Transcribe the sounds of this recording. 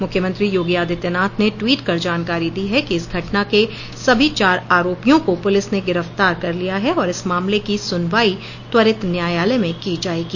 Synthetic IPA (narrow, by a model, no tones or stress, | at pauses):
mʊkʰjəmə̃nt̪ɾijoːɡjaːd̪ʱɪt̪jənaːt̪ʰneʈwiːʈkɐɾd͡ʒaːnkaːɾid̪iɦɛkiɪsɡʱɐʈnake | sɐbʱit͡ʃaːɾaːɾoːpijõkopʊlɪsneɡɪɾəft̪aːɾkɐɾlijaɦɛɔːɾɪsmaːmlekisʊnʋaːi | t̪wɐɾɪt̪njaːjaːlemẽkid͡ʒaːeːɡiː